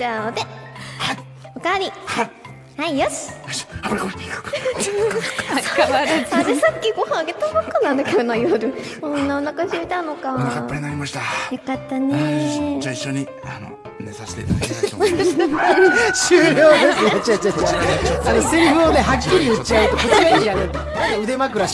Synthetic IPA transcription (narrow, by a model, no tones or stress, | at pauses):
d͡ʑaod̪ea | okaɾʲi | haijoɕi̥aɕapakot̪ːekɯ̥ | aaad̪esakʲːiɡõhãaɡe̞t̪omakːanːãnd̪akeonãjoɾɯ̟ | õnːaonːakasiit̪anokaapːaɾʲinaɾʲimaɕi̥t̪ajokat̪ːanet͡ɕaiɕːoɲi | ano̰ | mesaɕi̥t̪ḛ | ɕɨːjo̞ːd̪esɨnt͡ɕat͡ɕat͡ɕaanoseɾiɸɯone̞ɦakʲːiɾʲiɯt͡ɕiaɯ̟t̪okot͡ɕiaiaɡɯt̪o | noɯ̟d̪e̞makɯ̟ɾaɕ